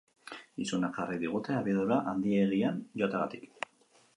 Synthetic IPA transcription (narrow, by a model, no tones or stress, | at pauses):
isunaχariðiɣ̞ut̪e̞aβiaðuɾaʔand̪ieɣ̞ianjo̞at̪eɣat̪ik